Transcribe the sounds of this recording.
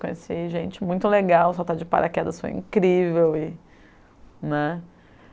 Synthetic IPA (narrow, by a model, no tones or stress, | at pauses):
kõesiʒẽt͡ʃɪmũj̃t̪ʊleɡawsɔt̪ad͡ʒɪpa̰ɾʔa̰kɛd̪ɐso̰ḭ̃ŋkɾivewɪ | nɛ